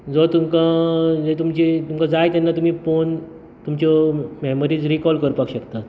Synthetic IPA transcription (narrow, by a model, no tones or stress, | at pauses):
d͡zɔt̪umkãd͡zet̪umt͡ɕit̪umkãd͡zajt̪janːat̪um̤iːpon | t̪umt͡ɕɔmɛməɾiːd͡zɾikɔlkəɾpakɕəkt̪at̪